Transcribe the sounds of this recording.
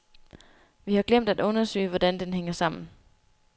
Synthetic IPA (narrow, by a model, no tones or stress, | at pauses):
ʋihɑ̈ɡ̥lem̰d̥æd̥ɔ̽nɐsø̰ːɪʋɒd̥ænd̥enɦeŋɐsɑ̈m̰n̩